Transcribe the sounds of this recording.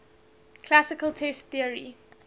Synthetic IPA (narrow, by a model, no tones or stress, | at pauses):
kʰl̥asɪkəlˠtʰɛstθiəɹi